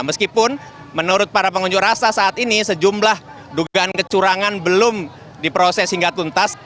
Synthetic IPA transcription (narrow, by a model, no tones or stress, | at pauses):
məskipʊn | mənuɾʊt̪̚paɾapəŋuɲd͡ʒʊkrasasaːt̪inisəd͡ʒumlah | duɡaankət͡ʃuɾaŋanbəlʊm | dipɾosɛshiŋɡat̪unt̪as